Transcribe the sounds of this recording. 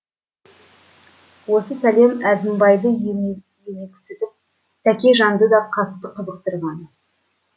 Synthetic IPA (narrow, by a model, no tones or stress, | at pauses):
wo̞səsæle̞mæzɪmbɑjd̪ə | jenekʲɪ̥sɪd̪ɪŋ | t̪ʰækʲe̞ʒɑnd̪əd̪ɑqʰɑt̪ːəqʰəzəq̚t̪əɾʁɑn